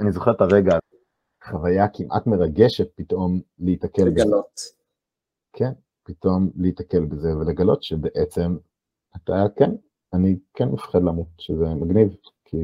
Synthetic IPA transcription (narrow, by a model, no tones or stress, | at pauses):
anizoχetaʁeɡa | χavajakimʔa̰tmeʁaɡeʃet̚pitʔo̞mleitakelblot | kʰen | pitʔo̞mleitake̞lbezeveleɡalo̞tʃebeʔet͡se̞m | ataken | anikʰenmefχedlamut̚ʃezemaɡnivkʰi